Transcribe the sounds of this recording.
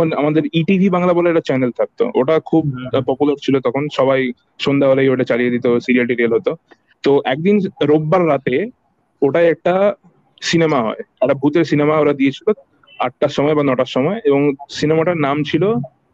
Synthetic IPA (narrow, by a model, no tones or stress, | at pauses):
ona̰mad̪eɾiʈibʱibaŋlaboleeʈat͡ɕɛnelt̪ʰak̚t̪o̰ʔoʈakʰubpɔpulaɾt͡ɕʰilot̪ɔkʰonʃɔβaj | ʃond̪ʱaɦolejoʈat͡ɕalijed̪it̪osiɾialɖiɾialɦot̪o | t̪oʔɛk̚d̪inɾobːaɾːat̪e | oʈaeɛk̚ʈa | sinemaɦɔ̰eɛabʱut̪eɾsinemaoɾad̪ijet͡ɕʰilo | aʈːaʃɔmɔebanɔʈaʃɔmɔeeboŋsinemaʈaɾnamt͡ɕʰilo